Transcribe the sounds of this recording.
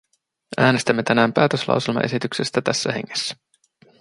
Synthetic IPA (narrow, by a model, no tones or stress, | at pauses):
æːnest̪æmːe̞t̪ænæːmpæːt̪øslɑ̰wselmɑ̰ʔe̞̰sit̪ykse̞st̪æt̪æ̰sːæɦe̞̰ŋːesːæ̥